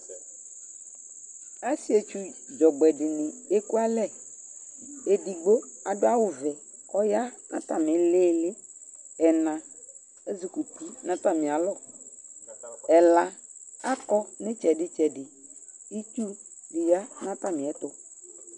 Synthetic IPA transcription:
a˦si˦e˨t͡ʃu˦d͡ʒɔ˨ɡ͡bɛ˨dɪ˨nɪ̃˨e˦ku˦a˦lɛ˦˨ | e˨di˨ɡ͡bo˦a˨dʊ˦a˦wʊ˨vɛ˨ | kɔ˦ja˦nʔã̰˦ta˨mɪ˨leː˦lɪ˦ | ɛ˨nã˨ | e˦zi˨ku˨ti˦nã˦ta˨mɪ̃˨a˨lɔ˦˨ | ɛ˨la˨a˦kɔ˦nɪ̃˦t͡ʃɛ˨dɪ˦t͡ʃɛ˨dɪ˨ | i˦tu˦ | dɪ˨ja˦nã˦ta˦mɪ̃˨ɛ˨˦t̪ʊ˦

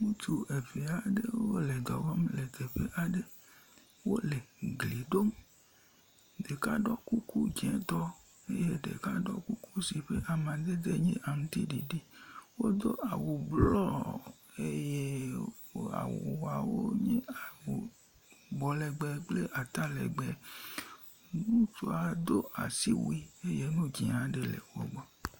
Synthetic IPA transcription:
ŋũ˦t͡ʃu˦ʔe˨ve˨a˨ɖe˦wwo˦le˨d̪ɔ˨vɔ˦mle˨d̪e˨ɸe˨ʔa˨ɖe˦ | wo˦le˨ɡli˨ɖo˦m | ɖe˨ka˦ɖɔ˦ku˦ku˦d͡ʒɛ̃˨˦t̪ɔ˦ | e˦je˦ɖḛ˨ka˦ɖɔ̰˦ku˦ku˦si˨ɸe˦ʔa˨mã˨d̪e˦d̪e˦ɲɛ̃˦ʔa˨mũ˨˦t̪i˦ɖḭ˨ɖi˦wo˦d̪o˦ʔa˨wo˨blɔ˦ | e˦je˦ | a̰˨wo̰˨wa˨wo˦ɲĩ˦a˨wo˨ | ɡ͡bɔ˨lɛ˨ɡ͡bɛ˨k͡ple˦ʔa˨t̪a˦lɛ̰˨ɡ͡bɛ˨ | nũ˦tu˦a˨d̪o˦ʔa̰˨si˦wi˦e˦je˦nũ˦d͡ʒĩ˨ã˨ɖe˨lḛ˨wo̰˨ɡ͡bɔ˦

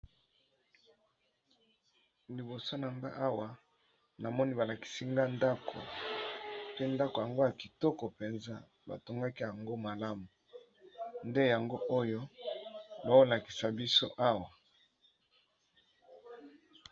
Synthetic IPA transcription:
li˨bo˨so˦na˨ŋɡa̰˦ʔa˦wa˨ | na˨mɔ˦ni˦ba˨la˨ki̥˨si˦ŋɡa˦nda˦kʰo̰˨ | pe˦nda˦ko˨ja˨ŋɡo˦ja˨ki˨tɔ˦kɔ˨pe˨nza̰˦ | ba̰˨to˨ŋɡa˦ki˦ja˨ŋɡo˦ma˨la˦mu˨ | nde˦ja˨ŋɡo˦ʔo˦jo˦ | ba˨o˦la˨ki̥˨sa˨bi˦so̰˦ʔa˦wa˨

